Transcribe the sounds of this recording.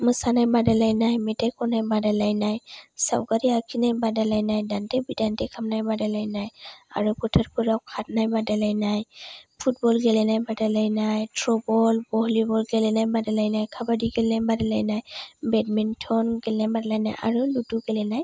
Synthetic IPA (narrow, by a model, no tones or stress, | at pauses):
mɯsanajbadalajnajmɛtajkɔnajbadalajnajsa̰wkaɹiakʰinajbadalajnajdantɛbidantɛkʰamnajbadalajnaja̰ɹupʰɔtʰaɹpʰuɹawkʰat̚najbadalajnajpʰut̚bɔlɡɛlɛnajbadalajnajtʰɹɔbɔlbɔɦlibɔlɡɛlɛnajbadalajnajkʰabadiɡɛlɛnajbadalajnajbɛdmɛntʰɔnɡɛlɛnajbadalajnajʔa̰ɹulutuɡɛlɛnaj